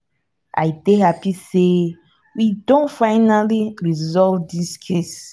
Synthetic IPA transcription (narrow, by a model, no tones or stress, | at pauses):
ʔa̰jdeɦapise | widõntfaɪnaliɹizɔlvdiskʰes